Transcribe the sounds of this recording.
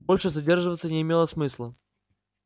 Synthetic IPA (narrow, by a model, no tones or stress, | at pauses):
bolʲʂɨzɐdʲe̞rʐɨvət̪sənʲɪɪmʲe̞lˠəsmɨslˠə